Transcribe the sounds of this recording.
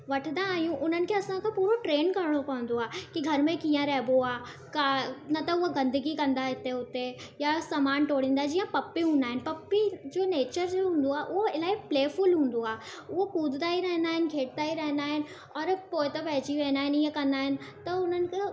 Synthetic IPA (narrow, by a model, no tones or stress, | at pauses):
ʋɐʈʰd̪ãːɦijũʔʊn̤ənɪ̆kʰeɐsãkʰãpuːɾoʈɾeːnkɐɾɪɽ̃opɐʋə̃n̆d̪oaːkiɡʱɐɾmẽkĩːãɾɛɦɪboaː | kaːnɐt̪ɐʊɦoɡɐ̃nd̪əɡikɐ̃nd̪aɪt̪eʊt̪e | jasaːmaːnʈoːɽ̤ĩːnd̪aɦɛd͡ʑiːãpɐpːiɦũːnd̪aːɦɪnɪpɐpːid͡ʑoːneːt͡ɕəɾoɦũːn̆d̪oaːʔʊɦoɪlaːipleːfʊlɦũːn̆d̪oaːʊɦokuːd̪d̪aːiɾɐɦə̃nd̪aːɦɪnɪ̆kʰeːʈ̚t̪aːiɾɐɦə̃nd̪aːɦɪnɪ̆ | ɔːɾpoːɪt̪ɐpɛɦd͡ʑiʋẽːnaːɦɪniə̃kɐ̃nd̪aːɦɪnɪ̆t̪ɐʊn̤ənɪ̆kʰe